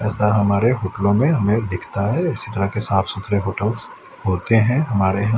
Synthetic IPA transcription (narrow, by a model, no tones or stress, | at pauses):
ɛːsaɦɐmaːɾeɦoːʈlõmẽɦɐmẽd̪ɪkʰt̪aɦɛɪsit̪ɐɾəɦkesaːfsʊt̪ʰɾeɦoːʈəls | ɦoːt̪eɦɛ̃ɦɐmaːɾeɦɐ̃